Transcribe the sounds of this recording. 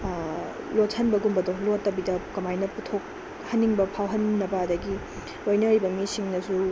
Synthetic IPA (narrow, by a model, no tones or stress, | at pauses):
lothɐnbɐɡumbɐdolotːɐbidɐkɐmajnɐputʰok̚ | hɐnːiŋbɐpʰawɦɐnːɐbɐɐdɐɡi | ojnɐɾibɐmisiŋnɐsu